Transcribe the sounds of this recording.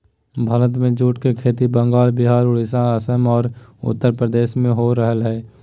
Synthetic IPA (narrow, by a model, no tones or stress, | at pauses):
bʱəɾət̪mẽd͡ʒuːʈkekʰeːt̪ibə̃ŋɡaːlbɪɦaːɾʊɽisaəsəmɔːɾʊ̰t̪ːəɾpɾəd̪eːʃmẽɦoɾəɦəlɦɛː